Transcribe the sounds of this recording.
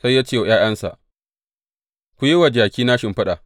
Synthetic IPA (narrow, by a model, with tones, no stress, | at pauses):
sa˦jːaː˦t͡ʃeː˦˨j̰aː˦j̰ɐ˦nsa̰˨ʔ | kʷu˨ji˦wa˨d͡ʒaː˨kʲiː˦naː˦ʃɪ˨mɸɐ˦ɗa˨